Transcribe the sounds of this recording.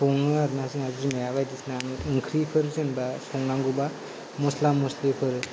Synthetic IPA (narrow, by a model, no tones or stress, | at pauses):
pʰoŋnɯaɾnasɯŋazizimajabajdisnaŋɯŋkʰɾipʰɯɾzɯnbasɔŋnaŋɡuba | muslamuslepʰɯɾ